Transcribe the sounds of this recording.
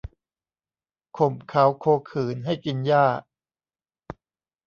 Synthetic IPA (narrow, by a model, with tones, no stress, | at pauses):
kʰo˨˩˦mkʰa˦wkʰoː˧kʰɯː˨˩˦nɦa˥˩jki˧njaː˥˩